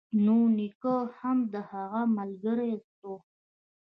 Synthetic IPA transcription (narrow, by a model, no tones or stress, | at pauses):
nunikəhamd̪əhaɣamalɡəɾest̪o